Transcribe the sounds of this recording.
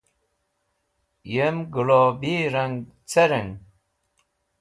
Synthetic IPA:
jemɡulobiɾaŋ | t͡seɾəŋ

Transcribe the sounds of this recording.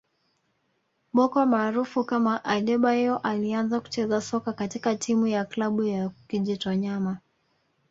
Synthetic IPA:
ɓɔkwamaːɾufukamaʔaɗɛɓahɛɔʔalianzaku̥t͡ʃɛzasɔkakatikatʰimujaklaɓujakiʄitɔɲama

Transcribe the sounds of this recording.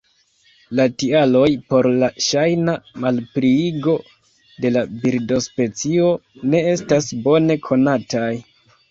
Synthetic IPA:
latialo̞jpo̞ɾlaʃajnamalpɾiiɡo̞ | de̞labiɾdo̞spe̞t͡sio̞ne̞e̞stasbo̞ne̞kʰo̞nataj

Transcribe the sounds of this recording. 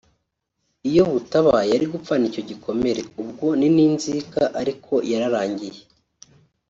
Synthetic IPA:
ijo̞βutaβajaɾiɡup͡fanico̞ɟikʰo̞me̞ɾe̞ub̚ɡo̞niniːnzikaʔaɾikʰo̞jaɾaɾaːɲɟije

